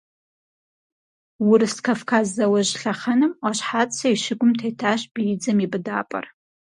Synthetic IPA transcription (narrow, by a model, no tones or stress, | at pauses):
wʊɾɨskʰafkʰazːɐwɐʒɬɐχɐnɨmaʃħat͡sʼsɐiʃɪɡʷʊmtʰejtʰaːʃb̥ijɪd͡zɐmibɨdaːpʼɐ̰r